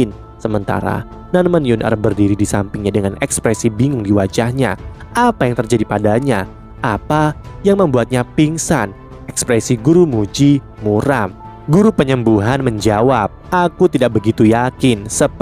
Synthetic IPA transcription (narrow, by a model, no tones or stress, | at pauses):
ɪn | səmənt̪a̰ɾa̰ | nanmənjʊnə̰ɾbərdiɾidisampɪŋɲadəŋanʔɛkspɾɛsibiŋʊŋdiwad͡ʒahɲa̰ʔapajaŋt̪ərd͡ʒadipadaɲa | ʔapajaŋməmbuat̪̚ɲapiŋsan | ɛkspɾɛsiɡuɾumud͡ʒi | muɾam | ɡuɾupəɲəmbuɦanməɲd͡ʒawap̚ʔakut̪idak̚bəɡit̪ujakɪnsə